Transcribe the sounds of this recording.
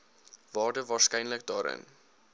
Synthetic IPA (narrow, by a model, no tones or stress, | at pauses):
vɑːrdəvɑːrskɛjnlək̚dɑːɾʔə̰n